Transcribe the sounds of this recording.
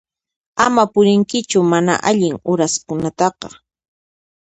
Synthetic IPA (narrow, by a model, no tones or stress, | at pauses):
amapʊɾɪŋkɪt͡ʃʊmana̰ʔaʎɪŋʊɾaskʊnat̪ɑqɑ̰